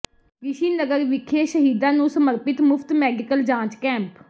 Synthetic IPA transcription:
ʋɪʃiːnəɡəɾʋɪkʰeːʃəɦiːd̪ãːnũːsəməɾpɪt̪mʊpʰt̪mɛːɖɪkəld͡ʒãːt͡ʃkɛ̃ːmp

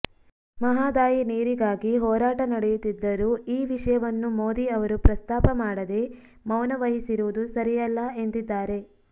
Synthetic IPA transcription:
mɐɦaːd̪aːjineːɾiɡaːɡiɦɔːɾaːʈɐnɐɽejut̪ːid̪ːɐɾuːiːʋiʂɐjɐʋɐnːumoːd̪iɐʋɐɾupɾɐst̪aːpɐmaːɽɐd̪e̞ | mɐwnɐʋɐɦisiɾuʋud̪usɐɾijɐlːɐe̞nt̪id̪ːaːɾe̞

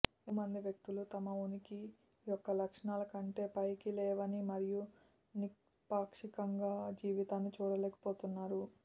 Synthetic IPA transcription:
umɐnd̪iʋjɐk̚t̪ulut̪ɐmɐuniki | jɔkːɐlɐkʂɐɳaːlɐkɐɳʈe̞ːpɐjkilɛːʋɐnimɐɾiju | nispaːkʂikɐŋɡaːd͡ʒiːʋit̪aːnːit͡ʃuːɽɐlɛːkɐ̥po̞ːt̪unːaːɾu

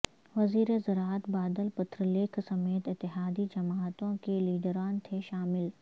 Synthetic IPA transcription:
ʋɐziːɾezɐɾaːt̪baːd̪əlpʊt̪ʰɾəleːkʰsɐmeːt̪ɪt̪ːɪɦaːd̪id͡ʒɐmaːt̪õkeliːɖəɾaːnt̪ʰeʃaːmɪl

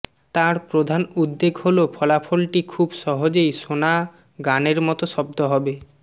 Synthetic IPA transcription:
t̪aɾpɾod̪ʱanud̪ːeɡholopʰɔlapʰolʈikʰubʃɔɦod͡ʑejʃona | ɡaneɾmɔt̪oʃɔb̚d̪oɦɔbe

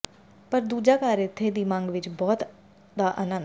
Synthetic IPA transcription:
pəɾd̪uːd͡ʒaːkaːɾɪt̪ʰːeːd̪iːmãŋɡʋɪt͡ʃbɔːt̪ | d̪aːʔənə̃

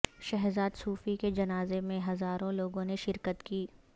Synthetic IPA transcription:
ʃɛɦzaːd̪suːfiked͡ʒɐnaːzemẽɦɐzaːɾõloːɡõneʃɪɾkət̪kiː

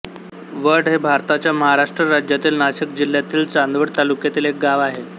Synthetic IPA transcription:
ʋəɽɦebʱaɾt̪at͡ɕjaməɦaɾaʂʈɾəɾad͡ʑjat̪iːlnaɕikd͡ʑil̤ːjat̪iːlt͡sand̪ʋəɽt̪alukjat̪iːlek̚ɡaʋaɦe

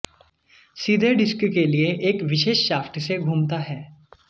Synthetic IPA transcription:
siːd̪ʱeɖɪskkelieʔeːkʋɪʃeːʃːaːfʰʈ̪seɡʱuːmt̪aɦɛː

